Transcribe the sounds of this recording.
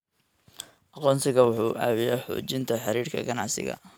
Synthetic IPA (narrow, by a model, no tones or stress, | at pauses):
ʔɑqɔːnsɪɣɐwʊħuːʔaːwɪjaːħṵːt͡ʃɪnt̪ʰɐħɑɾiːrkʰɐ̰ɡɐnɑʕsɪ̰ɣɐ̰